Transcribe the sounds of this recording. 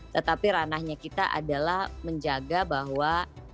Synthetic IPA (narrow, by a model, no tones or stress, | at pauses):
t̪ət̪apiɾanahɲakit̪aʔa̰dalahməɲd͡ʒaɡabaɦwa